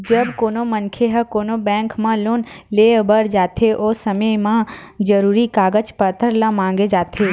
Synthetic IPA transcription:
d͡ʒəbkoːnomənkʰeɦəkoːnobɛ̃ːŋkmãloːnlebəɾd͡ʒaːt̪ʰeʔoːsəməjmãd͡ʒəɾuːɾikaːɡət͡ʃpət̪ʰəɾlãmãːŋɡed͡ʒaːt̪ʰe

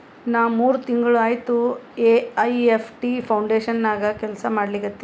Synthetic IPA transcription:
naːʋmuːɾut̪iŋɡɐɭuaːjt̪ueɐjepʰʈipʰɐwɳɖeːʃɐnːaːɡɐkɛlsɐmaːɽliɡɐt̪ːe̥

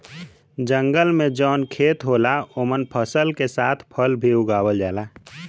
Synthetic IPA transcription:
d͡ʒə̃ŋɡəlmẽd͡ʒɔːnkʰeːt̪ɦoːlaomənpʰəsəlkesaːt̪ʰpʰəlbʱiʊɡaːwəld͡ʒaːlaː

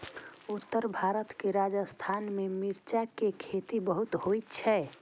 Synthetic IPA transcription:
ut̪ːəɾbʱaɾət̪keɾad͡ʒəst̪ʰanmemiɾt͡ʃakekʰet̪ibəɦut̪ɦojt̪t͡ʃʰɛ

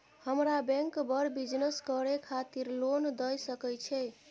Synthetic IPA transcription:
həmɾabɛ̃ŋkbəɾbid͡ʒnəskəɾekʰat̪iɾlond̪əjsəkɛjt͡ʃʰɛ

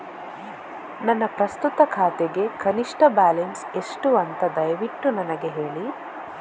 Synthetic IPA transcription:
nɐnːɐpɾɐst̪ut̪ɐkʰaːt̪eɡe̞kɐniʂʈɐbaːlenseʂʈuɐnt̪ɐd̪ɐjʋiʈːunɐnɐɡeɦe̞ːɭi

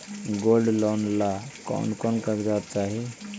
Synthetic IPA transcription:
ɡolɖlɔnlakɔ̰nkɔnkəɾɡaʋət̪̚t͡ʃaːɦi

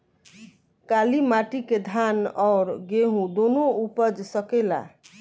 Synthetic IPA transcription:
kalimaʈiked̪ʱanɔɾɡeɦũd̪onoupʌd͡ʒsʌkela̰

